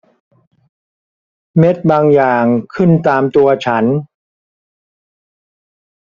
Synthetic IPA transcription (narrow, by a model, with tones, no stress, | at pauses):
me˦˥t̪̚baː˧ŋjaː˨˩ŋkʰɯ˥˩nt̪aː˧mt̪u˧ɐt͡ɕʰa˦˥n